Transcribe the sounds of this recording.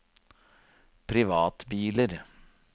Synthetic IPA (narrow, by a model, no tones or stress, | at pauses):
pʰɾɪʋɑːt̪biːləɾ